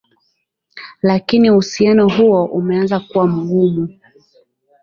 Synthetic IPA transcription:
lakinihusianɔɦuɔʔumɛanzakuwam̩ɠumu

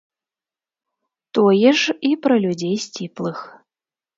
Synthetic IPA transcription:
t̪ɔjɛʂipɾɐlʲud͡zʲejsʲt͡sʲiplˠɨx

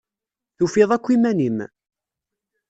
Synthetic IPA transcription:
θufiðˤækʷːimænim

